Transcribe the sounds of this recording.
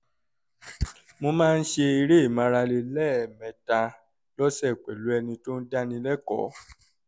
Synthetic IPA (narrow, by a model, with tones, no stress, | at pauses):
mo˧mãː˦˧n̩˦ʃe˧i˧ɾe˦i˦˨mã˨˧ɾa˧le˧lɛ˦˨mɛ̃˨˦ta˧ | lɔ˦sɛ˦˨k͡pɛ˨lu˨˦ɛ˧nĩ˧to˦n̩˦da˦nĩ˧lɛ˦kɔ̰˨˦